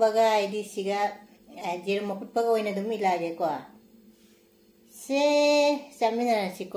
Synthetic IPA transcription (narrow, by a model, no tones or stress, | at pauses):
bɐɡaːjdisiɡa | d͡ʒeɾmɐkʰut̚pʰɐɡɐojnɐdumilaɡekwa | se | saminanasik